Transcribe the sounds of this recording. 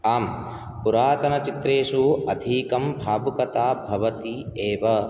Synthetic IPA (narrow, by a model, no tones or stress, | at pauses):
aːm | puɾaːt̪ɐnɐt͡ʃit̪ɾeːʂuɐd̪ʱiːkɐmbʱaːbukɐt̪aːbʱɐʋɐt̪ieːʋɐ